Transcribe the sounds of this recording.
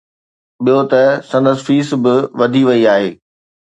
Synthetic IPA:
ɓijot̪ɐsɐ̃nd̪əzfiːsbɪʋɐd̪ʱiʋɐiaːɦeː

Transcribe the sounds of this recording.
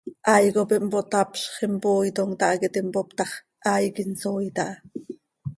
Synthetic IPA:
ʔɑjkopiʔmpot̪ɑpɬχempoːjt̪oŋt̪ɑʔket̪impopt̪ɑχ | ʔajkinsojt̪ɑʔɑ

